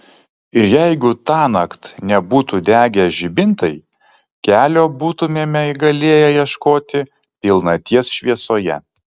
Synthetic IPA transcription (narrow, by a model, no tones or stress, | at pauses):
ɪɾjɛɪɡʊt̪ɑːnɐkt̪nʲɛbuːt̪uːd̪ʲæːɡʲɛʒʲɪbʲɪnt̪ɐɪ | kʲæːlʲoːbuːt̪ʊmʲeːmʲɛɪɡɐlʲeːjɛjiɛʃkoːt̪ʲɪ | pʲɪlˠnɐt̪ʲiɛsʃʲʋʲiɛsoːjɛ̰